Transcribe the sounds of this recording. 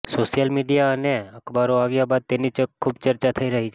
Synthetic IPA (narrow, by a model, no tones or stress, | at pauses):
soʃijəlmiɖijaəneəkʰbaɾoaʋjabad̪̚t̪enit͡ʃkʰːubt͡ʃəɾt͡ʃat̪ʰəiɾəɦit͡ʃʰ